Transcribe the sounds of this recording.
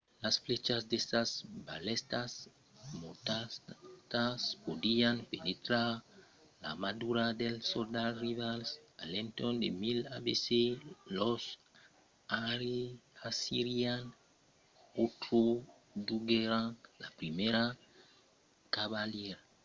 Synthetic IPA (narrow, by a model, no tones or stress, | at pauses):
lasflet͡ʃasd̪esasbalɛst̪as | mot̪at̪aspod̪ianpenet̪ɾaɾ | la̰mad̪uɾad̪elsold̪arivalsalẽnt̪ɔnd̪emila̰beselos | aɾeasiɾian | ot̪ɾo | d̪uɡeɾãŋlapɾimeɾa | kaβaljɛɾa